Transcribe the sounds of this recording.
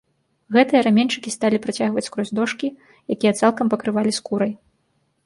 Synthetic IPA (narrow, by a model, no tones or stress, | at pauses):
ɣɛt̪ɨjɐɾamʲent͡ʂɨ̥kʲist̪alʲipɾat͡sʲaɣvɐt͡sʲskɾɔzʲd̪ɔʂkʲi | jakʲijɛt̪salˠkɐmpɐkɾɨvalʲiskuɾɐj